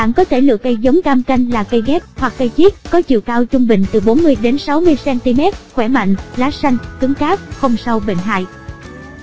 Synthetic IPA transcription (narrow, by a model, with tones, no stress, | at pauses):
ɓa̰ː˧˥˨nkɔ˨˦t̪ʰe˧˩lɨ̰˧˨əkə˧jzə˨˦wŋ͡mkaː˧mka˧jŋ̟laː˨˩kə˧jɣɛ˦˥p̚hwa˨˩k̚ːə˧jt͡ɕi˦˥ət̚kɔ˨˦t͡ɕḭ˧˨əwkaː˧wt͡ɕʊ˧ŋ͡mɓï˨˩ŋ̟t̪ɨ˨˩ɓo˨˦nmɨ˧əjɗe˨˦nsa˨˦wmɨ˧əjsɛ˧nt̪i˧mɛ˦˥t̚xwɛ˧˩ma̰˧˨ŋ̟zaː˨˦sa˧jŋ̟kɨ˨˦ŋkaː˦˥p̚xə˧wŋ͡msa˧wɓḛ˧˨nɦa̰ː˧˨j